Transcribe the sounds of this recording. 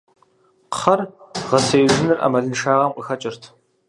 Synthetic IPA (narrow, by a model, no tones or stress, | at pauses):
qχɐrʁɐsejʒɨnɨrʔa̰mɐɮɨnʂaːʁɐmqʼəxɐt͡ʃʼɪrtʰ